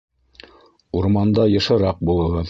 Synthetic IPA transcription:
uɾmɑnd̪ɑjɤ̆ʃɤ̆ɾɑq̚bulˠɤ̆ʁɤð

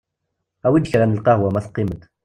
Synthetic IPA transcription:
æwid̪çkəɾænəlqɑhwæmæθqːiməd̪

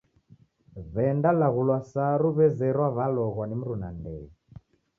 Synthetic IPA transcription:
βɛndalaɣulwasaɾuβɛzɛɾwaβalɔɣwanim̩ɾunandɛ̰i

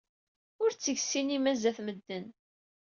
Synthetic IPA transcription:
ʊɾt͡sːəʝsinimæzæθməd̪ːən

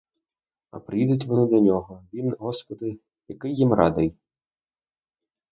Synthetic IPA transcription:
ɐ̰pɾɪjid̪ʊtʲʋɔnɪd̪ɐnʲɔɦɔʋʲinɦɔspɔd̪ɪ | jɐkɪjːimrɑ̰d̪ɪj

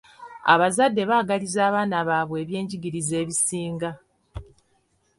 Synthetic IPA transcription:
a̰βazadːe̞βaːɡalizaːβaːnaβaːβwe̞ːβje̞ːɲɟiɡiɾize̞ːβisiːŋɡa

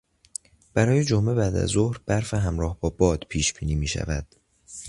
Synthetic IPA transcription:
b̥æɾɒːjed͡ʒome̞bæːd̪æ̰zo̞hɾb̥æɾfeɦæmɾɒːhbɒːbɒːd̪̥pʰiːʃb̥iːniːmiːʃæ̰væd̪̥

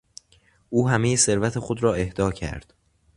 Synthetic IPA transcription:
ʔuːɦæme̞jese̞ɾvæt̪ʰe̞xod̪ɾɒːe̞hd̪̥ɒːcʰæ̰ɾd̪̥

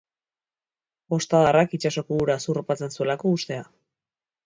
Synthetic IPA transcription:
o̞st̪aðarakit͡ʃaso̞kuuɾasuropat͡se̞nsue̞lako̞ust̪e̞a

